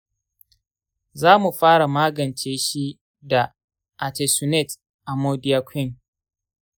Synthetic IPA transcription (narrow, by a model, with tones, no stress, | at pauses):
zaː˦mu˨ɸaː˦ɽa˨maː˦ɡɐ˨nt͡ʃeː˦ʃi˦ | da˨ | ʔa˨te˨su˨nɛ˦˨t | ʔa˨moː˦dɪ˦jaː˦kʷʰɪ˦˨ŋ